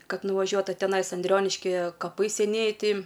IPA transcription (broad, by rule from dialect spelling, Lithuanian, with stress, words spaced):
ˈkɐt nʊʋɐˈʒʲuɔt oː tʲɛˈnɐɪs ɐnʲˈdʲrʲoːnʲɪʃʲkʲiɛ kɐˈpɐɪ sʲɛˈnʲiɛjɪ ˈtʲɪ